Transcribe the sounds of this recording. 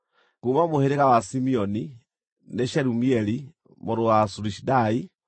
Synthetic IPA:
kumamuheɾiɣawasimioni | neʃeɾumieli | moɾuwasuɾiʃidai

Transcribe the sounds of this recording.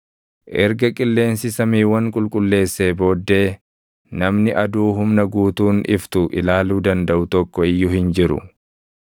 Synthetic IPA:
ʔɛɾɡɐkʼɪlːe̞ːnsɪsɐmiːwɐŋkʼʊlkʼʊlːe̞ːsːe̞ːbo̞ːd̪ːe̞ː | nɐmnɪʔɐd̪uːɦʊmnɐɡuːt̪uːnɪft̪ʊʔɪlaːluːd̪ɐnd̪ɐʔʊt̪ɔkːɔɪjːʊhɪnd͡ʒɪɾʊ̰

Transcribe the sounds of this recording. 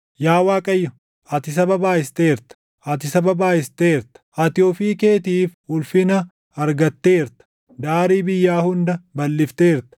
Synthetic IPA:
jaːwaːkʼɐjːɔ | ɐt̪ɪs̬ɐbɐbaːɪst̪eːɾt̪ɐ̥ | ɐt̪̬ɪsɐbɐbaːhɪst̪eːɾt̪ɐ̥ɐt̪ɪoːfiːke̞ːt̪iːfʊlfɪnɐ | ɐɾɡɐt̪ːeːɾt̪ɐ̥ | d̪aːɾiːbɪjːaːhʊnd̪ɐbɐlːɪft̪eːɾt̪ɐ̥

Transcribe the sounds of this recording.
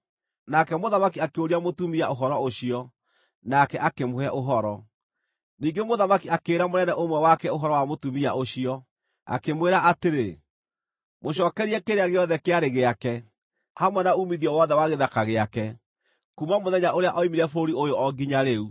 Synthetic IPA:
nakɛmoðamakiakeoɾiamotumiaoɦɔɾɔoɕiɔ | nakɛʔakemoɛʔoɦɔɾɔ | niːŋɡemoðamakiakeːɾamonɛnɛʔomwɛwakɛoɦɔɾɔwamotumia̰oɕiɔ | a̰kemweɾaʔateɾe | moɕ̬ɔːkɛɾiɛkeɾeaɣeɔðɛkeaɾeɣeakɛ | hamwɛnaumiðiɔwɔðɛwaɣeðakaɣeakɛ | kumamoðɛɲaʔoɾeaʔɔimiɾɛfoɾiojoʔɔɡiɲaɾeu

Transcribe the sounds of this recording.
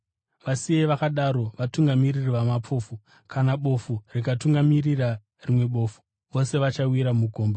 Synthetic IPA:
ʋasieʋakaɗaɾo̞ʋatuŋɡamiririʋamapo̞ːfu | kʰanaɓo̞furikatuŋɡamirira | rimwe̞ɓo̞ːfu̥ | ʋo̞se̞ʋat͡ʃawiɾamuɡʱo̞ːmba

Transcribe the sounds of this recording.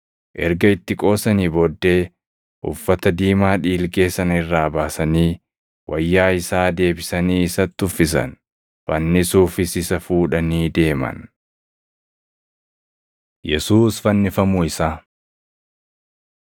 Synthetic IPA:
ʔɛɾɡɐɪt̪ːɪkʼo̞ːsɐniːbɔd̪ːe̞ː | ʔʊ̰fːɐt̪ɐd̪iːmaːᶑiːlɡe̞ːsɐnɪrːaːbaːsɐniː | wʔɐjːaːɪsaːd̪e̞ːbɪsɐniːɪsɐt̪ːʊfːɪs̬ɐ̰n | fɐnːɪsuːfɪsɪsɐfuːᶑɐniːd̪e̞ːmɐ̰n | jɛsuːsfɐnːɪfɐmuːɪsaː

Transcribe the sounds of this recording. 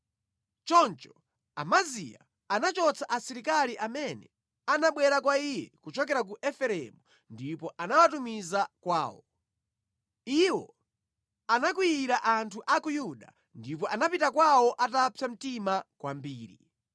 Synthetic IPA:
t͡ʃɔnt͡ʃɔ̥ | a̰mazḭa | anat͡ʃɔt͡sʰaʔasiɾikaliʔamɛnɛ | anaɓwɛɾakwaijɛkut͡ʃɔkɛɾak̬uʔɛfɛɾɛ̰mu | ndipɔʔanawatumizakwa̰ːwɔ | iwɔ̰ | anak̬wiiɾaʔantʰuʔakujuɗa | ndipɔʔanapitakwawɔʔatapʰjam̩timakwambiːɾi

